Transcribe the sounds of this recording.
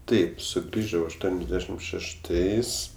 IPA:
ˈtɐɪp sʊˈɡrʲiːʒɐʊ ɐʃˈtuɔnʲɛzʲˌdʲæːʃʲɪm ʃʲɛʃˈtɐɪs

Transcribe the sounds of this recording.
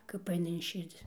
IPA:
kɐp ˈɐɪnɐ ɪn ˈʃʲɪrʲd͡zʲɪ

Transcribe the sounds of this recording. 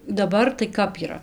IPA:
dɐˈbɐr tɐɪ ˈkɐp iːˈrɐ

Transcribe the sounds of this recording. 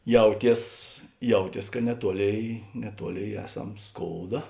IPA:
ˈjɛʊˌtʲiɛs ˈjɛʊˌtʲiɛs kɐ nʲɛˈtuɔˌlʲeːɪ nʲɛˈtuɔˌlʲeːɪ ˈæːˌsɐm ˈskoːʊdɐ

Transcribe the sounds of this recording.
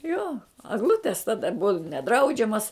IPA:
ˈjoː ɐɡˈlˠʊtʲɛs ˈtɑːdɐ ˈbʊɐ nʲɛˈdrɐʊd͡ʒʲɛmɐs

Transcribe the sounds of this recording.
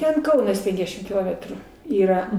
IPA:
ˈtʲɛn ˈkɐʊnɐs ˈpʲɛŋɡdʲɛʃʲɪm kʲɪˈlˠoːmʲɛtruː ˈiːrɐ

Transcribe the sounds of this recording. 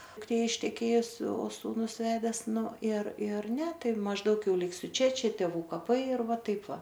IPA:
dʊkˈtʲeː ɪʃʲtʲɛˈkʲeːjʊs oː suːˈnʊs ˈʋʲæːdʲɛs ˈnʊ ɪr ɪr ˈnʲɛ ˈtɐɪ mɐʒˈdɐʊk ˈjɛʊ ˈlʲɪksʲʊ ˈt͡ʃʲɛ ˈt͡ʃʲɛ tʲeːˈʋuː kɐˈpɐɪ ɪr ˈʋɐ ˈtɐɪp ˈʋɐ

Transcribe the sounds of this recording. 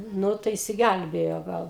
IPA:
ˈnʊ tɐɪ ɪʃʲsʲɪˈɡʲælʲbʲeːjoː ˈɡɐlˠ

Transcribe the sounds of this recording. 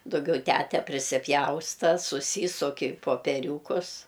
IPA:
dʊˈɡʲɛʊ ˈtʲætʲɛ pʲrʲɪsʲɪˈpʲjɛʊstɐ sʊˈsʲiːsʊk ɪ poːpʲɛˈrʲuːkʊs

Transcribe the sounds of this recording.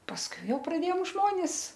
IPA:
pɐsˈkʊɪ ˈjɛʊ prɐˈdʲeːjoːm ˈʒmoːnʲɪs

